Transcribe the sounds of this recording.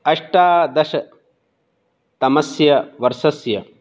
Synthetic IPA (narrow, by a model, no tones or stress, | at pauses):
ɐʂʈaːd̪ɐʃɐ | t̪ɐmɐsjɐʋɐɾsɐsjɐ